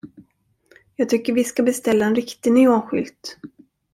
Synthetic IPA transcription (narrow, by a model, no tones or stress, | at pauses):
jɑːɡ̚t̪ʰʏkːəɾvɪskabɛst̪ɛlːaɛnɾɪkt̪ɪnyːoːnɧʏ̰lt̪